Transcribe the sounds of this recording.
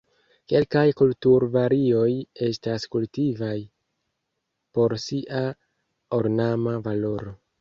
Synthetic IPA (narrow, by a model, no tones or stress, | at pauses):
ke̞lkajkultuɾvaɾio̞je̞staskultivaj | po̞ɾsiʔa | oɾnamavalo̞ɾo̞